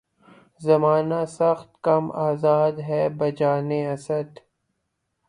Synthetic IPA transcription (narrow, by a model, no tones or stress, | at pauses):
zɐmaːnasɐxt̪kɐmaːzaːd̪ɦɛːbɐd͡ʒaːneɐsəd̪